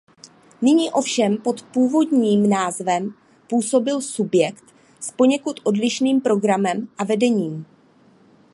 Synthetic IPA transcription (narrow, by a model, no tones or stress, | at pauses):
nɪɲiːʔo̞fʃɛmpo̞t̪puːvo̞dɲiːmnaːzvɛm | puːso̞bɪlsubjɛkt̪ | spo̞ɲɛkut̪ʔo̞dlɪʃniːmpɾo̞ɡɾamɛmʔavɛdɛɲiːm